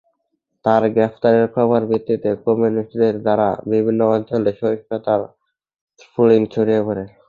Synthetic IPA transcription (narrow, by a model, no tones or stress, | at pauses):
t̪aɾɡɾɛpʰt̪aɾeɾkʰɔβoɾbʱit̪ːit̪ekomuniʈd̪eɾd̪aɾa̰bibʱinːoɔnt͡ɕoleʃoiʃpot̪aɾ | pʰuliŋt͡ɕʰoɾijepoɾe